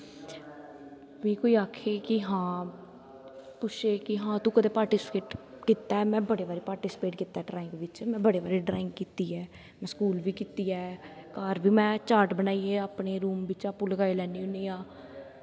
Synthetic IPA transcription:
ʋiːkoːiːaːkʰeːkɪɦãː | pʊʃʰeːkɪɦãːt̪ũːkəd̪eːpaːɾʈiːspeːʈ | kiːt̪aɛːmɛ̃ːbəɽeːʋaːɾeːpaːɾʈiːsɪ̥peːʈkiːt̪ːaɛːɖɾaːɪ̃ŋɡʋɪt͡ʃmɛ̃ːbəɽeːʋaːɾeːɖɾaːɪ̃ŋɡkiːt̪iːɛː | mɛ̃ːskuːlʋiːkiːt̪iːɛːkaːɾʋiːmɛ̃ːt͡ʃaːɾʈbənaːiːeːaːpneːɾuːmbɪt͡ʃaːpuləɡaːilɛːniːʊniːãː

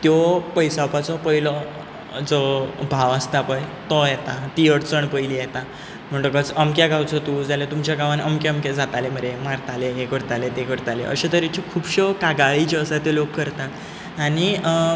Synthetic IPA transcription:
t̪jɔpəjsapat͡sɔpəilɔ | d͡zɔbʱaʋast̪apəjt̪ɔjɛt̪at̪iəɽt͡səɳpəjlijɛt̪a | m̤əɳʈ̪əkət͡səmkjaɡawt͡sɔt̪ud͡zaljat̪umt͡ɕjaɡaʋanəmkeəmked͡zat̪aleməɾemaɾt̪aleɦekəɾt̪alet̪ekəɾt̪alḛʔə̰ɕet̪əɾit͡ɕɔkʰuːbɕəkaɡaɭit͡ɕeəsat̪elokːəɾt̪at̪ | aɽ̃i

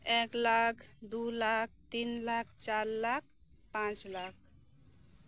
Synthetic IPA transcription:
eklakʰd̪ulak̚ʰt̪inlakʰt͡ʃaɾlak̚ʰ | pãt͡ʃlak̚

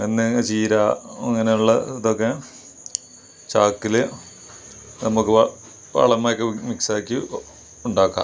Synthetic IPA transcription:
enːet͡ɕiːɾaːɐŋːɐnejuɭːɐ̰iðokːe | t͡ɕaːkːile | nɐmukːɨ | ʋɐ̰ɭɐmːaːjokːemiksaːkʲːu | uɳɖaːkːa̰

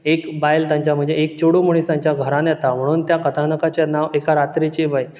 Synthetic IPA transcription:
ekbajlt̪jãɲt͡ɕjam̤əɳd͡zeek̚t͡ɕoɽumuɽ̃isãɲt͡ɕjaɡʱəɾãnjɛt̪am̤əɽ̃uːnt̪jakət̪ʰanəkat͡ɕanaʋekaɾat̪ɾit͡ɕebəj

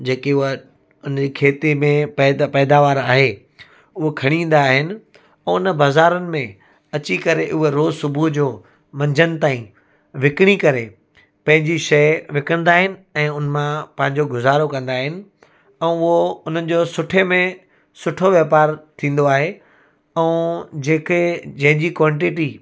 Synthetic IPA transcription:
d͡ʑeːkeʊɦ | ʊnd͡ʑiːkʰeːt̪imẽp̪ːpɛːd̪aːʋaːɾaːɦe | ʊɦokʰɐɽ̃ĩːn̆d̪aːɦɪnɪ̆ | ɛ̃ːʊnəbaːzaːɾənɪ̆mẽ | ɐt͡ɕikɐɾeʔʊɦeɾoːzsʊbʱud͡ʑoː | mɐ̃ɲd͡ʑʱənɪ̆t̪aːĩ | ʋɪkɪɽ̃ikɐɾe | pɐ̃ɦɪ̃ɲd͡ʑiʃɐjʋɪkəɽ̃nd̪aːɦɪnɪ̆ɛ̃ːʊnmãpɐ̃ɦɪ̃ɲd͡ʑoɡʊzaːɾokɐ̃nd̪aːɦɪnɪ̆ | ɛ̃ːʊɦoʊn̤ənɪ̆d͡ʑoːsʊʈʰemẽ | sʊʈʰoʋjeːpaːɾt̪ʰĩːn̆d̪oaːɦe | ɛ̃d͡ʑeːked͡ʑɐ̃ɦɪ̃ɲd͡ʑikʋãːɳʈɪʈi

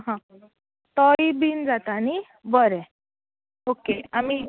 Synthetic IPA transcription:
ɦã | t̪ɔibind͡zat̪aːni | bəɾɛ̃ | okeami

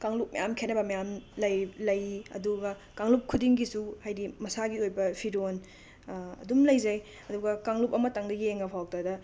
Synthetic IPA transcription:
kaŋlup̚mɐjamkʰenɐbɐmɐjamlɐjlɐjɐ̰duɡɐ | kaŋlup̚kʰudiŋɡisuhajdimɐsaɡiojbɐpʰiɾon | ɐ̰dumlɐjzɐj | ɐduɡɐkaŋlupɐmɐtɐŋdɐɡieŋɐpʰawk̚tadɐ

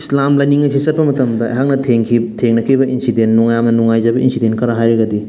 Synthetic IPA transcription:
islamlajniŋɐsisɐt̚pɐmɐtɐmdɐɐ̰jɦak̚nɐtʰeŋkʰitʰeŋnɐkʰɾibɐʔinsidenːuŋajamnɐnuŋajzɐbɐʔḭnsidentkɐɾaɦajɾɐɡɐdi

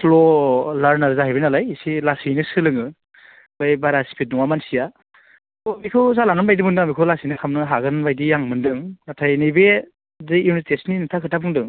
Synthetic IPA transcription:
slɔlaɾnaɾzaɦajbenalajsilasijnɯsɯlɯŋɯ | bajbaɾasi̥pʰit̚nuŋamansija | mikʰɯwzalaŋɯnbajdimɯndɯŋamikʰɯwlasinɯkʰamnɯɦaɡɯnbajdijaŋmɯndɯŋnatʰajnɯbe | zɯjunistesninitʰakʰɯtʰabɯŋdɯŋ

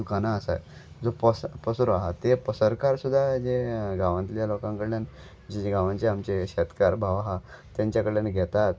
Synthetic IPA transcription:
ukanaəsa̰j | d͡zopəspəsɾoaɦat̪ːepəsəɾkaɾsud̪ʱːad͡ʑeɡaʋãnt̪ljalokãŋkəɽlan | d͡ʑed͡ʑeɡaʋãnt͡seamt͡ɕeɕɛt̪kaɾbʱaʋaɦa | t̪ːjaɲt͡ɕjakəɽljanɡʱɛt̪at̪

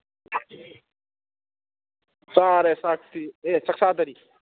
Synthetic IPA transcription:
saːɾesaːkt̪ieːt͡ʃɐksaːd̪ɐɾi

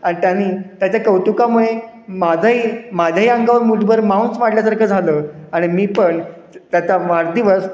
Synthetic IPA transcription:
aɽ̃it̪janiːt̪jat͡ɕjakəwt̪ukamuɭemad͡zʱaɦiːmad͡ʑʱaɦiːəŋɡaʋəɾmuʈbəɾmawnsʋaɽljasaɾkʰəːd͡zʱaləːaɽ̃imiːpəɳ | t̪jat̪aʋaɽd̪iʋəs

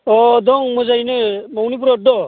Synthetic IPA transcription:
ɔd̪ɔŋmɔzajnɯmawnip̬uɾɔt̚d̪ɔ

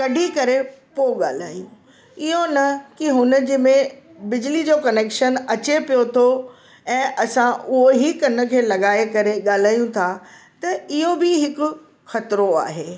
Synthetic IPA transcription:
kɐɖʱikɐɾepoɠa̰ːl̤a̰ːjũ | ɪɦonɐkiɦʊnəd͡ʑiːmẽ | bɪd͡ʑlid͡ʑoːkɐneːkʃənɐt͡ɕepijot̪ʰo | ɛ̃ːʔɐsãʔʊɦoɦikɐnə̆kʰeːlɐɠaːekɐɾeɠaːl̤aːjũt̪ʰa | t̪ɐɪɦobɪɦɪkʊ̆ | xɐt̪ɾoa̰ːɦeː

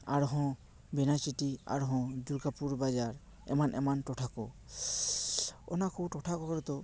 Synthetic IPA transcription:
aɾɦɔ̃ | bɛnat͡ʃiʈia̰ɾɦɔ̃d͡ʒuɾɡapuɾbad͡ʒaɾ | ɛ̰manʔɛ̰manʈɔʈʰakɔ | ɔ̰nakũʈɔʈʰakɔkɔɾɔt̪ɔ

